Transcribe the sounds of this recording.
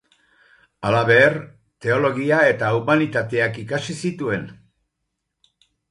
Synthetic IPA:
alaβe̞ːr | t̪e̞o̞lo̞ɣ̞iae̞t̪aumanit̪at̪e̞akikasisit̪ue̞n

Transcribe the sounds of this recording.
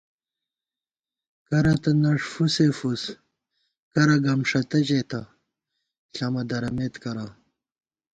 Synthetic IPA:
kɐɾɐt̪ɐnɐʂfusefus | kɐɾɐɡɐmʂɐt̪ɐʑet̪ɐ | ɬɐmɐd̪ɐɾɐmet̪kɐɾa

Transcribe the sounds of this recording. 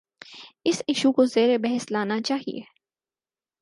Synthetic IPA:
ɪsɪʃukozeːɾebɛɦɛslaːnat͡ʃaːɦḭḛː

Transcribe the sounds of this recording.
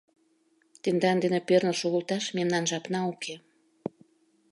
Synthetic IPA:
t̪end̪ɑnd̪enepørnəlʃoɣə̆lt̪ɑʃmemnɑnʒɑpnɑukʰe

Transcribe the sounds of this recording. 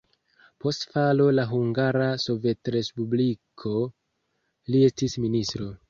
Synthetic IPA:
po̞stfalo̞laɦuŋɡaɾaso̞ve̞tɾe̞spublikʰo̞ | lie̞stisministɾo̞

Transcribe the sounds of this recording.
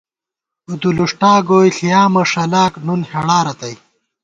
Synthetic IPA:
ud̪uluʂʈaːɡoːjɬijaːmɐʂɐlaːknunheɽaːɾɐt̪ɐj

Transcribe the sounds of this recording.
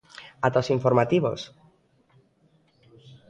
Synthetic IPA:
at̪osiɱfoɾmat̪iβo̰s

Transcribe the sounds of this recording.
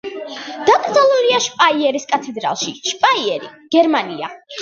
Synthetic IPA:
d̪̥akʼɾd̪zalˠuliaʃpʼaiɛɾiskʼat̪ʰɛd̪ɾa̰lˠʃiʃpʼaiɛɾḭɡ̥ɛɾmania

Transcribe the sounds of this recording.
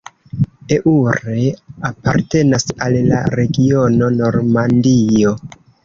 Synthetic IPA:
e̞ʔuɾe̞apaɾte̞nasalːa̰ɾe̞ɡio̞no̞no̞ɾmandio̞

